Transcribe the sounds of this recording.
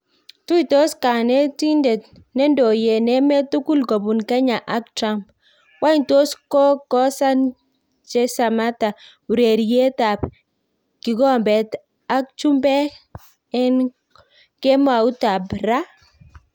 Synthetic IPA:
tu˦i˨to˦ska˨nɛ˦ti˦ndɛ˨t̚ | nɛ˦ndo˨je˨nɛ˦mɛ˦tu˦ku˦lko˨bu˨nka˦ɲa˨ʔa˦k̚tɾa˦mp | wa˦nto˦skɔ˦kɔ˦sa˦n | t͡ʃɛ˦sa˨ma˦ta˨ | u˨ɾe˨ɾje˦ta˨p | ki˨ɡɔ˦mbɛ˨t | a˦k̚t͡ʃu˦mbɛ˦ | ɛ˦n | kɛ˦ma˨u˦ta˨bɾa˦

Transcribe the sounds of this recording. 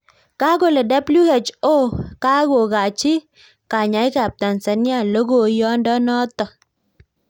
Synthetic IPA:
ka˦ɡo˨lə˨da˦blu˦e˨t͡ʃo˦ka˦ɡo˨ɡa˨t͡ʃi˦ | ka˨ɲa˨˦i˦ka˨p̚ta˨n˨sə˨ni˦a˦˨lo˦ɡo˦˨jɔ˦ndɔ˦nɔ˦t̪ɔ˨

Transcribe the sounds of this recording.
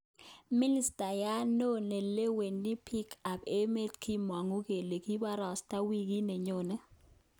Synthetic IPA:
mi˦ni˦stʼa˨ja˦nɔ˦nɛ˨lɛ˦we˨ni˦pʰi˦kʰa˨pʰɛ˦mɛ˦tkʰi˦mwa˨ŋu˦k̬ɛ˨lɛ˨k̬i˦ɓa˦ɾa˨stʼa˦wi˦k̬i˦nɛ˨ɲɔː˨nɛ˦

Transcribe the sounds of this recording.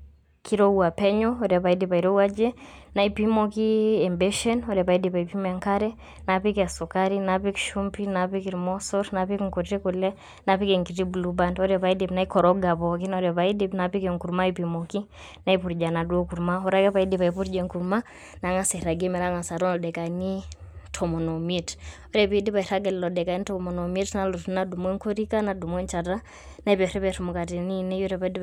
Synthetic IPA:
kiɾɔuapɛɲɔɔɾɛpa˨idipa˨iɾɔuad͡ʒɛnaipimɔkiɛmbɛʃɛnɔɾɛpaidipa˨ipimaŋkaɾɛ | napikɛasɔkaɾinapikʃumpinapikiɾmɔsɔɾnapikŋkɔ˨tɛkulɛ | napikɛŋki˨ɾibulubandɔɾɛpaidinaikɔɾɔɡapɔkinɔɾɛpaidinapi˦kɛŋku˨ɾmaipimɔki | na˦i˦pu˨ɾd͡ʒa˨na˨du˦o˦ku˨ɾma˦ɔ˦ɾa˦kɛ˦pa˨i˦di˨pa˨i˨pu˦ɾd͡ʒɛ˨ŋku˨ɾma˦ | na˨ŋa˨se˨ɾa˨ɡe˦mɛ˨ɾa˦ŋa˨sa˨tɔ˦nlɔ˨dɛ˨ka˨ni˦tʰɔ˨mɔ˨nɔ˨mi˦tɔ˦ɾɛ˨pi˦di˦pa˨i˨ɾa˦ɡɛ˨llɔ˨dɛ˨ka˨ni˦tɔ˨mo˨no˨mi˦tna˦lu˨tna˦du˨mɔ˦ŋko˦ɾi˦ka˦na˨du˨mɔ˦nt͡ʃa˨ta˦ | na˦i˦pɛ˨ɾɛ˦pɛ˨ɾumu˨ka˨ti˨ni˦ni˦jɔ˦ɾɛ˦pa˨i˦di˦

